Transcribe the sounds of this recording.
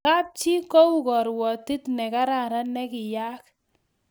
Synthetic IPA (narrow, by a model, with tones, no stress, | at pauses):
ka˦p̚t͡ʃi˦kɔ˦u˨kɔ˨ɾwɔ˨ti˦tnɛ˨ka˦ɾa˨ɾa˦nɛ˦kɪ˨ja˦k̚